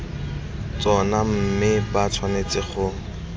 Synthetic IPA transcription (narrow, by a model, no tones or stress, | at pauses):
t͡sɔnam̩mɪbat͡sʰwanet͡sɪχʊ